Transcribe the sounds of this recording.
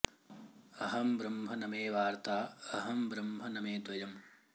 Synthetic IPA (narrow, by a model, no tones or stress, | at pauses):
ɐɦɐmbɾɐmbʱɐnɐmeːʋaːɾt̪aːɐɦɐmbɾɐmbʱɐnɐmeːt̪ʋɐjɐm